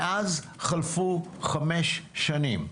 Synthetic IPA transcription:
ʔaz | χɐlfuχɐmeʃʃɐnim

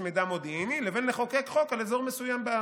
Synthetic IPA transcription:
med̪amod̪iinilevenleχo̞kekχo̞kalezo̞ʁmesujamba

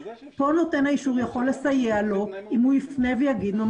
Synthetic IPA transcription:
po̞no̞te̞nhaiʃuʁjaχo̞lːe̞sajealo̞ʔimhuifne̞vejaɡid̪mom

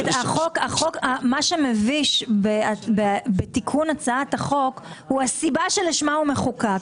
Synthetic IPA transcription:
taχokaχokamaʃemeviʃbeabebetikʰunat͡saataχo̞khuasibaʃeliʃmaume̞χuka

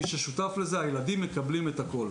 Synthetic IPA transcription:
iʃeʃutafle̞ze̞ajeladimːekablimetako̞l

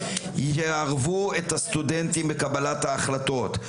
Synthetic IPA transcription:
eaʁvuethast̪udentimbekabalathaːχlato̞t̪

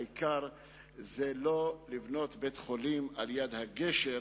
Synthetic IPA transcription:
ikaɾ | zelo̞livno̞t̪betχolimaljad̪haɡeʃe

